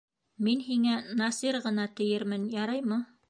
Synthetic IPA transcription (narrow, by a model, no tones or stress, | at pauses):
minɦiŋænɑsiɾʁɤ̆nɑt̪ɘ̆jɘɾmɘnjɑɾɑjmɤ